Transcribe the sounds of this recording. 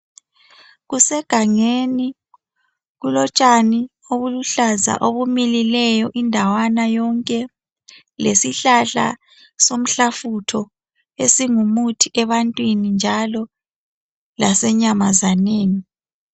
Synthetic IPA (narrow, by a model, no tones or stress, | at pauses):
ɣusɛɡ̥ʱaŋeni | ɣulɔt͡ʃʼani | oβuluɬaza̰ʔoβumililɛjɔʔindʱawanajɔŋkʼɛ | lesiɬaɬa̰ | som̩ɬafutʰɔ | esiŋumutʰiʔɛβantʼwinind͡ʒʱalɔ | lasɛɲamazaneːni